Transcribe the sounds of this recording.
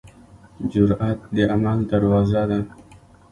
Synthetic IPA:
d͡ʒʊɾat̪̚d̪əamald̪aɾwɑzad̪a

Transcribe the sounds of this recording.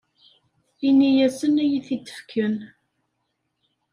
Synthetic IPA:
inijæsənæjiθid̪ə̥fkʰːən

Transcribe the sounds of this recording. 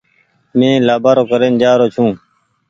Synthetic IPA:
mẽːlaːbaːɾoːkəɾeːnd͡ʒaːɾoːt͡ʃʰũː

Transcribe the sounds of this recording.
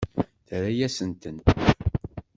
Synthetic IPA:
θɾæjæsənt̪ən

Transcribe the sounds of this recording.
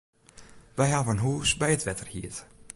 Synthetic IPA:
ʋɛjɦavəənɦuːsbɛjətʋɛtərhiət

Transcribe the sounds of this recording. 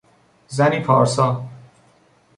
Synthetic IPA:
zæniːpʰɒːɾsɒː

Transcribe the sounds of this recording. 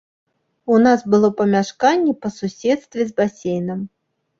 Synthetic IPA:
unasbɨlˠɔpɐmʲaʂkanʲːɛpɐsusʲɛt̪st̪vʲɛzbasʲejnɐm

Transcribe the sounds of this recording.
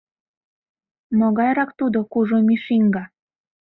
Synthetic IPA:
moɣɑjɾɑkt̪ud̪okuʒomiʃiŋɡɑ

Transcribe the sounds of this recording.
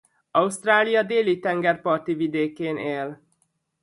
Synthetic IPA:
ɒust̪raːlijɒd̪eːlit̪ɛŋɡɛrpɒrt̪ivid̪eːkeːnʔeːl

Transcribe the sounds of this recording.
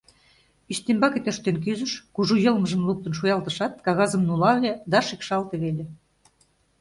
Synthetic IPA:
yɕt̪embɑket̪øʃt̪enk̬yzə̆ʃkuʒujɤ̆lməʒə̆mlup̚t̪ə̆nʃ̬ujɑlt̪əʃɑt̪̚kɑɣɑzə̆mnulɑβlʲed̪ɑʃikʃɑlt̪eβelʲe

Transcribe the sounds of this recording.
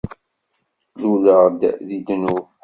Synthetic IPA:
luləʁd̪ðid̪nuv

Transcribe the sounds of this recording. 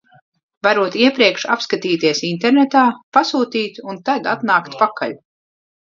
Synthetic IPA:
vaɾuɔt̪iɛpɾiɛkʃa̰pskat̪iːt̪iɛsint̪eɾnet̪aːpasuːt̪iːt̪unt̪ad̪at̪naːkt̪pakʰa̰ʎ

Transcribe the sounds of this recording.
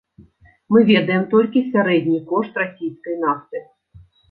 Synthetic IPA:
mɨvʲɛd̪ɐjɛmt̪ɔlʲkʲisʲaɾɛd̪ʲnʲikɔʂt̪rasʲijsʲkɐjn̪aft̪ɨ

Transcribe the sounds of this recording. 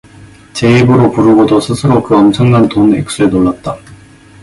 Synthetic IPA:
t͡ɕe̞ibɯɾopuɾuɡodosʰɯsʰɯɾokɯʌmt͡ɕʰʌŋnantonḛk̚s͈uenoɭːat̚t͈a

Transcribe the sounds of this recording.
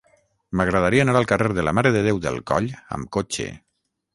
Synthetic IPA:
maɣɾað̞aɾiənaɾalˠkareɾðələmaɾəðəðewðə̰lˠkɔ̰ʎə̰mkot͡ʃḛ

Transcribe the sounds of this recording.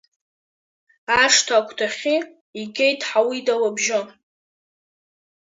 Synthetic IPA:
aʂtʰaːkʷʰtʰaχʲi | iɡʲejtʰʼħawidawabʒɪ

